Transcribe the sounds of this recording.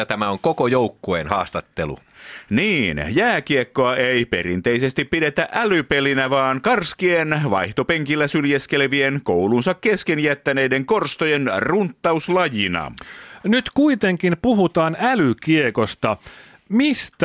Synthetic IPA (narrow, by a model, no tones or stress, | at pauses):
t̪æmæoŋkokojouwkːoenhɑːst̪ɑt̪ːelṵniːnjæːkiekːoɑeipe̞̰ɾḭnt̪e̞ise̞st̪ippːide̞t̪æʔælype̞linæʋɑːnkɑrskienʋɑ̰jht̪o̞peŋkilːæsyljeske̞lʋienkowlunsɑkke̞skenjæt̪ːæne̞jdeŋko̞rst̪ojenrunt̪ːɑuslɑjinɑ̰nyt̪kuit̪eŋkinpuɦut̪ɑːnælykiekost̪ɑ | mist̪